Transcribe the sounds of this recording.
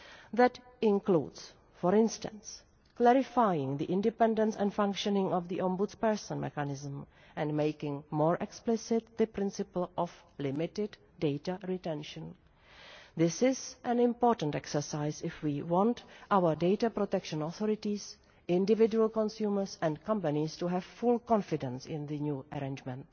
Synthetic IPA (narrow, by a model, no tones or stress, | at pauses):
ðæt | ɪ̃nklṵːds | fɔɹɪ̃nstə̰̃ns | klɛɾɪfajɪ̃ŋðiʔɪ̃ndɪpɛ̃ndə̃nsɛ̃nfãŋkʃɔnɪ̃ŋɔvðiʔɔ̃mbʊtspɛɹsə̃nmɛ̰kanɪzə̃m̩ | ʔɛ̃nmeɪkɪ̃ŋmɔːɹʔɛksplɪsɪt̪̚ðəpɾɪ̃nsɪpl̩ˠɔflɪmɪtɪdːeɪtaɹitɛ̃nʃə̃n | ðɪsɪzʔɛ̃nɪ̃mpoːtə̃n̩tɛksə˞saɪsɪfwiwɔ̃ntʔawə˞deɪtapɾotɛkʃə̃nɔθɔɾɪtis | ɪ̃ndɪvɪd͡ʒuəlkɔ̃nsjuːməɹsɛ̃ndkãmpanistuɦɛvfʊlkɔ̃nfɪdɛ̃nsɪ̃nðɨnjuːʔəɾẽnd͡ʒmɛ̃nt